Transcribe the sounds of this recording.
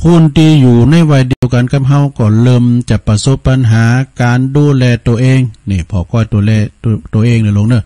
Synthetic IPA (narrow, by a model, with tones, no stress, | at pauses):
pʰuː˧˥˨nt̪ʰi˧juː˨˩na˧˥˨jwa˧˩jdi˨˧əwka˧˨nkʰa˧˥p̚ɦa˧˩wkɔː˧˩lɤː˧˩mt͡ɕa˧˩pa˧so˧˥pːa˧nɦaː˨˦kaː˨nduː˧˨lɛː˧t̪u˧əʔeː˧ŋniː˧˩pʰɔː˧kɔː˧˨jt̪u˧˨lɛː˧˩t̪ːt̪u˧ʔeː˧˨ŋnː˧˨lo˧˨ŋnɯ˧˩˨